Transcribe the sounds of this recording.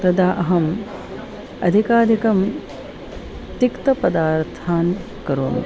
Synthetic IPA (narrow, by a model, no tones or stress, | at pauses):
t̪ɐd̪aːʔɐɦɐm | ɐ̰d̪ʱikaːd̪ʱikɐm | t̪ikt̪ɐpɐd̪aːɾt̪ʰaːn | kɐɾoːn